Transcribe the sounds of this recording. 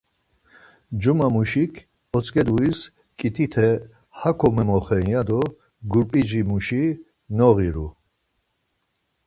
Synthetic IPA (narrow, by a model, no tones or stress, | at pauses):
d͡ʒumamuʃikʰ | ɔt͡sʼkʼɛd̪uis | kʼit̪ʰit̪ʰɛ | hakʰɔmɛmɔχɛnjad̪ɔ | ɡuɾpʼid͡ʒimuʃi | nɔʁiɾu